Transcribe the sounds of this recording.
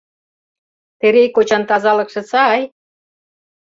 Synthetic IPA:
t̪eɾejkot͡ɕɑnt̪ɑzɑlɤ̆kʃɤ̆t͡sɑj

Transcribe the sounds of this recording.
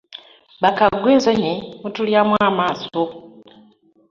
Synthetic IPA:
βakaɡweːzoɲimutuljamwaːmaːso

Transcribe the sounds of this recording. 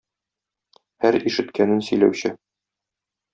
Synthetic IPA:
hæɾiʃɘ̆t̪kænɘnsɵ̆jlæ̰wɕɘ

